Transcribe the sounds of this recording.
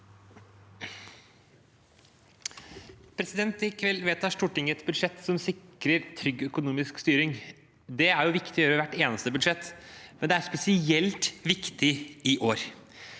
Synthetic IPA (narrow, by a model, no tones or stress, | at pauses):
pʰɾɛsɪd̪ɛnt̪ɪkʰʋɛlːʋeːt̪ʰɑːʂʈuːʈɪŋːəɛt̪bʉd̪ʂɛt̪ːsɔmsɪkɾəɾt̪ʰɾʏɡːœkʊnuːmɪskst̪yːɾɪŋ | d̪ɛæɾjʊʋɪkt̪ɪɔjøːɾəʋæʈːeːnəst̪əbʉd̪ʂɛt̪ːmɛnd̪ɛæɾspɛsɪɛlt̪ʋɪkt̪ɪɪʔoːɾ